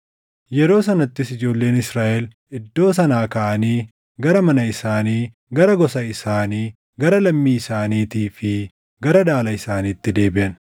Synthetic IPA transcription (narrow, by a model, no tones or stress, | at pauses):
jɛɾo̞ːsɐnɐt̪ːɪsɪd͡ʒo̞ːlːe̞ːnɪsɾaːʔɛl | ɪd̪ːo̞ːs̬ɐnaːkɐʔɐniː | ɡɐɾɐmɐnɐɪsaːniː | ɡɐɾɐɡɔsɐɪsaːniː | ɡɐɾɐlɐmːiːɪsaːniːt̪iːfɪ | ɡɐɾɐᶑ̪aːlɐɪsaːniːt̪ːɪd̪e̞ːbɪʔɐn